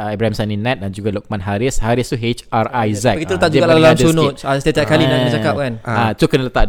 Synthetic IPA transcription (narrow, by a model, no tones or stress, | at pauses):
ɛbɾahɛmsaninɛ̃t̪̚dand͡ʒuɡalɔk̚mãnɦaɾishaɾist̪uɦet͡ʃarajzaɡit̪ulət̪aʔ̚d͡ʒuɡalalaalamdunʊt̪asət̪iat̪iaʔ̚kaliaət͡ʃakap̚kanat̪ukənələt̪aʔ